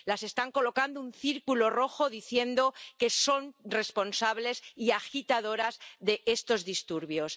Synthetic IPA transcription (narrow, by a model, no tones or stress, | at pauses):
lase̞st̪aŋko̞lo̞kand̪ounθiɾkulo̞ro̞xo̞ðiθje̞nd̪o̞ke̞so̞nre̞spo̞nsaβ̞le̞siaxit̪aðo̞ɾazðe̞e̞st̪o̞zðist̪uɾβjo̞s